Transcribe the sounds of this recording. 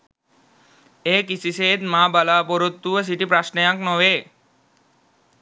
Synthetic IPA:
eːkisiseːt̪maːbalaːpoɾot̪ːuʋəs̬iʈipɾasnejaknoʋeː

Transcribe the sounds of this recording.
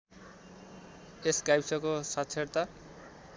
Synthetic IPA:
eskajbsʌkosasʰeɾt̪a

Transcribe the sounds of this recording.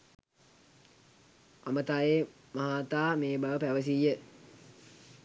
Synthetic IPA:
a̰mət̪aːe | maɦaːt̪aːmeːbaʋəpæʋəs̬iːjə

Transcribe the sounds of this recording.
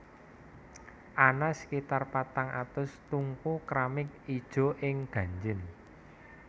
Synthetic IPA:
ʔanaskit̪arpat̪aŋʔa̰t̪ʊst̪uŋkukɾamɪk̚id̥ʒ̥ɔ̤ʔɪŋɡ̥ä̤ɲd͡ʒɪn

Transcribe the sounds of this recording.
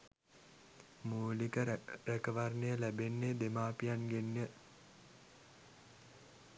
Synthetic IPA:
muːlikəɾekəʋarnejəlæbenːed̪emaːpijanɡenjə

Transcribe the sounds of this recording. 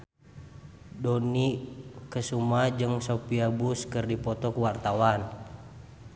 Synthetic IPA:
dɔnikəsumad͡ʒɨŋsopiabuskɨrdipɔt̪ɔkuwart̪awan

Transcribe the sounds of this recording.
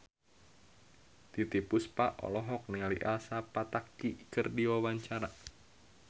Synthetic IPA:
t̪it̪ipʊspaʔɔ̰lɔɦɔk̚nialiʔalsapat̪akːikərdiwawaɲt͡ʃaɾa

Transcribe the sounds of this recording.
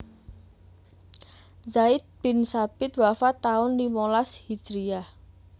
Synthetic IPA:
zaɪt̪̚b̥ɪnsab̥ɪt̪̚wafat̪aʊndimolashi̥d͡ʒɾia

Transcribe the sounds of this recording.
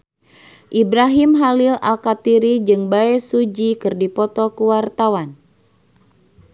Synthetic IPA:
ʔibɾaɦimɦalila̰lkat̪iɾid͡ʒɨŋbaɛsud͡ʒikɨrdipɔt̪ɔkuwart̪awan

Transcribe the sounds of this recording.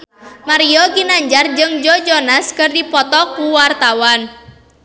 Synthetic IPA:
maɾiɔɡinaɲd͡ʒard͡ʒɨŋd͡ʒɔd͡ʒɔnaskɨrdipɔt̪ɔkuwart̪awan

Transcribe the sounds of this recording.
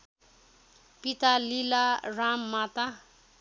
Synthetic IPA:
pit̪alilaramːat̪a

